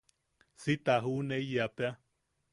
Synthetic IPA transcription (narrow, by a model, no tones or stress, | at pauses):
sit̪aɦuneijapea